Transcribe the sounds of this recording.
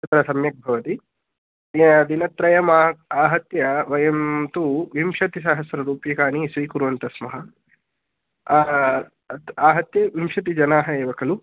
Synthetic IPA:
ɐt̪ɐɾɐsɐmjɐk̚bʱɐʋɐt̪i | d̪inɐt̪ɾɐjɐmaːaːɦɐt̪jɐʋɐjɐmt̪uʋimʃɐt̪is̬aːɦɐsɾɐɾuːpjɐkaːnisʋiːkuɾʋɐnt̪ɐsmɐɦɐ̆ | aːɦɐt̪jɐʋimʃɐt̪̬id͡ʒɐnaːɦɐeːʋɐkɐlu

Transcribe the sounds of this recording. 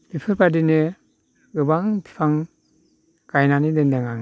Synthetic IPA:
bipʰɯɾbadine | ɡɯbaŋpʰi̥pʰaŋ | ɡ̥ajnanidendeŋaŋ

